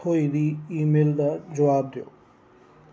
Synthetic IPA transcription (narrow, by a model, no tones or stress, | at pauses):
oiɾiimeld̪ad͡ʑɔwaːb̚d̪eo̰